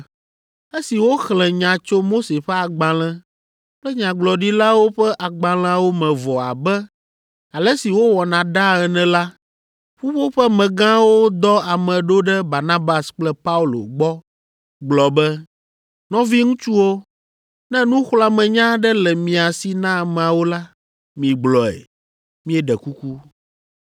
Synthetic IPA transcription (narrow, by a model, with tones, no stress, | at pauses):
e˦si˨wo˦xlɛ̃˨ɲã˨t͡ʃo˦mo˦se˨ɸɛ˦a˨ɡ͡bã˨l̃ɛ̃˦ | k͡plɛ˦ɲã˨ɡ͡blɔ˨ɖi˦la˦wo˦ɸɛ˦ʔa˨ɡ͡bã˨l̃ã˦wo˦mɛ̃˨vɔ˨a̰˨bɛ˦ | a˨lɛ˦si˨wo˦wɔ˨nã˨ɖa˦ɛ˨nɛ̃˨la˦ | ɸu˦ɸo˦ɸɛ˦mɛ̃˨ɡã˦wo˦d̪ɔ˦a˨mɛ̃˨ɖo˦ɖɛ˦ba˨ɾnã˦ba˨sk͡plɛ˦pa˦u˦lo̰˨ɡ͡bɔ˦ | ɡ͡blɔ˨bɛ˦ | nɔ̃˦vi˦ŋũ˦t͡ʃu˦wo˦ | nɛ̃˦nũ˦xla˦mɛ̃˨ɲã˦ɖɛ˦lɛ˨mĩ˨a˨si˨nã˦˨mɛ̃˨a˨wo˦la˦ | mĩ˨ɡ͡blɔ˨ɛ̰˨ | mĩ˦ɛ˦˨ɖɛ˨ku˦ku˦